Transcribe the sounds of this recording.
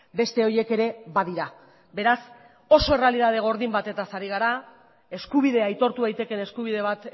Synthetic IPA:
be̞st̪e̞o̞je̞ke̞ɾe̞βaðiɾa | be̞ɾas | o̞so̞e̞realið̞að̞e̞ɣ̞o̞ɾðimbat̪e̞t̪asaɾiɣ̞aɾa | e̞skuβ̞iðe̞ajt̪o̞ɾt̪uðajt̪e̞ke̞ne̞skuβiðe̞β̞at̪

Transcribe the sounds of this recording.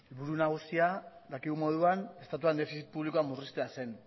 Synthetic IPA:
elβuɾunaɣ̞usiad̪akiɣumo̞ðuane̞st̪at̪uand̪e̞fisit̪u̥puβliko̞amurist̪e̞ase̞n

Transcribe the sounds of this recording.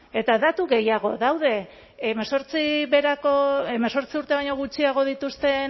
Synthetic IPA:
e̞t̪aðat̪uɣe̞jaɣ̞o̞ðawð̞e̞ | meso̞ɾt͡siβe̞ɾakoemeso̞ɾt͡siuɾt̪e̞βajɲo̞ɣut͡ʃiaɣ̞o̞ðit̪ust̪e̞

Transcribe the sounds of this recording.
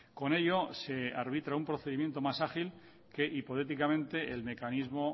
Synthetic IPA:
ko̞ne̞ʎo̞se̞aɾβ̞it̪ɾaumpɾoθeðimje̞nt̪o̞masaχil | ke̞ʔipo̞t̪e̞t̪̬ikamẽ̞nt̪e̞ʔelme̞kanizmo̞

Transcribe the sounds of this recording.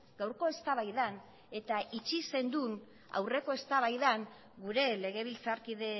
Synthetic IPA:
ɡ̥awɾko̞e̞st̪aβajðan | e̞t̪aʔit͡ʃise̞nd̪un | a̰wre̞ko̞e̞st̪aβajðaŋ | ɡuɾe̞le̞ɣ̞e̞β̞ilt͡saɾkiðe̞

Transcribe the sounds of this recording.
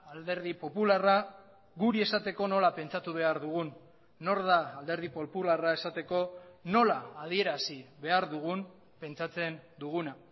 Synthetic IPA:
ald̪e̞ɾðipo̞pulara | ɡuɾie̞sat̪e̞ko̞no̞lape̞nt͡sat̪uβ̞e̞aɾðuɣ̞unː | o̞ɾðaːld̪e̞ɾð̞ipo̞pularae̞sat̪e̞ko̞no̞laːð̞ie̞ɾasiβe̞aɾðuɣ̞un | pe̞nt͡sat͡se̞nd̪uɣ̞una

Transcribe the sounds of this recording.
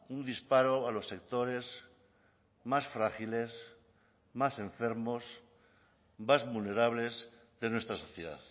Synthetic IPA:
und̪ispaɾo̞alo̞sːe̞k̚t̪o̞ɾe̞z | masfɾaxile̞s | masẽ̞ɱfe̞ɾmo̞s | mazβulne̞ɾaβle̞zðe̞nwest̪ɾaso̞θjeða̰θ

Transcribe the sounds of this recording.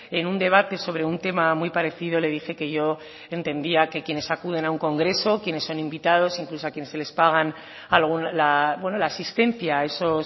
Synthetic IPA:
e̞nund̪e̞β̞at̪e̞so̞β̞ɾe̞unt̪e̞mamujpaɾe̞θið̞o̞le̞ð̞ixe̞ke̞ʝo̞ | e̞nt̪e̞nd̪iake̞kje̞ne̞sakuðe̞nauŋko̞ŋɡɾe̞so̞kje̞ne̞sːo̞nimbit̪að̞o̞siŋklusoakje̞ne̞sele̞spaɣ̞an | alɣ̞unlabwe̞no̞laːsist̪ẽ̞n̟θjae̞so̞s

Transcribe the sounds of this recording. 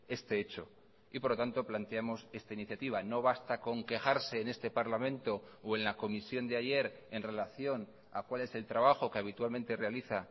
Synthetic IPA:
e̞st̪e̞e̞t͡ʃo̞ | ipo̞ɾlot̪ant̪o̞plant̪eamo̞se̞st̪ainiθjat̪iβ̞ano̞β̞ast̪ako̞ŋke̞xaɾse̞ːne̞st̪e̞paɾlamẽ̞nt̪o̞oe̞nlako̞misjo̞nd̪eaʝe̞ɾ | enre̞laθjo̞n | a̰kwale̞se̞lt̪ɾaβ̞axo̞ke̞aβit̪uwalmẽ̞nt̪e̞re̞aliθa

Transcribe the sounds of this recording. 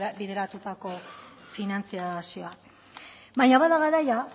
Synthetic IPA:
biðe̞ɾat̪ut̪ako̞ | finant͡siasio̞a | βaɲaβaðaɣaɾaja

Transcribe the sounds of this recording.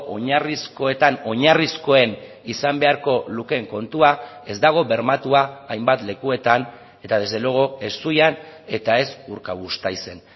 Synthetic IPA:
ʔo̞ɲarisko̞e̞t̪ano̞ɲarisko̞e̞n | isambe̞aɾko̞luke̞ŋko̞nt̪ua | e̞zd̪aɣ̞o̞βe̞ɾmat̪uaːjmbat̪le̞kue̞t̪an | e̞t̪aðe̞zðeloɣo̞e̞sujane̞t̪ae̞suɾkaɣust̪ajse̞n

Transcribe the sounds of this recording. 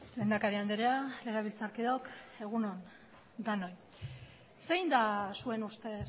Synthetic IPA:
leːnd̪akaɾiand̪eɾealeɣeβilt͡saɾkiðo̞ke̞ɣ̞unon | d̪ano̞j | sejnd̪asue̞nust̪e̞

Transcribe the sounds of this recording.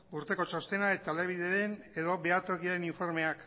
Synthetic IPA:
uɾt̪e̞ko̞t͡ʃo̞st̪e̞nae̞t̪aleβ̞iðeðen | e̞ðo̞be̞at̪okiaɾe̞niɱfo̞ɾme̞ak

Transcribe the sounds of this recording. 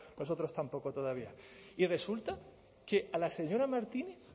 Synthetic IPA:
no̞s̬o̞t̪ɾo̞st̪ampo̞ko̞t̪o̞ðaβ̞iaire̞sult̪a | ke̞ʔalase̞ɲo̞ɾamaɾt̪ineθ

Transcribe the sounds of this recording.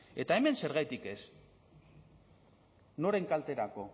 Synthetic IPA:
e̞t̪ae̞me̞nse̞ɾɣ̞ajt̪ike̞s | no̞ɾe̞ŋkalt̪e̞ɾako̞

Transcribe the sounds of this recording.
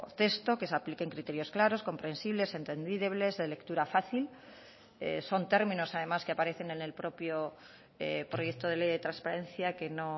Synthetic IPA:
t̪e̞st̪o̞ke̞s̬aplike̞ŋkɾit̪e̞ɾjo̞sklaɾo̞sko̞mpɾe̞nsiβle̞se̞nt̪e̞nd̪iβle̞zðele̞kt̪uɾafaθil | ḛso̞nt̪e̞ɾmĩno̞saðe̞maskeapaɾe̞θe̞ne̞ne̞lpɾo̞pjo | epɾo̞je̞kt̪oðelejðe̞t̪ɾanspaɾẽ̞nθjake̞no̞

